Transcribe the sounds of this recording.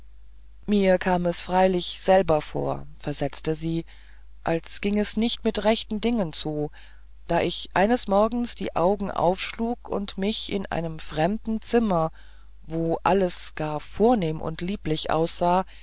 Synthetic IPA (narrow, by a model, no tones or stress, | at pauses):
miːɐkʰaːmɛsfʁ̥aɪlɪçz̥ɛlbɐfo̰ːɐfɛɐzɛt͡stəziː | ʔalsɡ̥ɪŋɛsnɪçtmɪtʁɛçtn̩dɪŋənt͡suː | d̥aːʔɪçʔa̰ɪnəsmɔɐɡŋ̩sd̥ḭːʔa̰ʊɡŋ̩ʔa̰ʊfʃluːkʰʊ̰ntmɪçɪ̰nʔa̰ɪnəmfʁ̥ɛmdn̩t͡sɪmɐ | voːʔaləsɡ̥aːɐfoːɐneːmʔʊ̰ntliːplɪçʔa̰ʊsz̥aː